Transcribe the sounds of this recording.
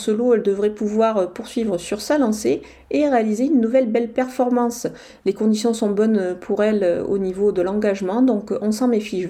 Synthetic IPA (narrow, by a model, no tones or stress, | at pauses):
soloɛld̪əvʁɛpuvwaʁøpuʁsɥivʁəsyʁsalɑ̃se | eʁealizeynːuvɛlbɛlpɛʁfɔʁmɑ̃s | lekɔ̃d̪isjɔ̃sɔ̃bɔnøpʰuʁɛløo̰nivod̪əlɑ̃ɡaʒmɑ̃d̪ɔ̃kɔ̃sɑ̃mefiʒ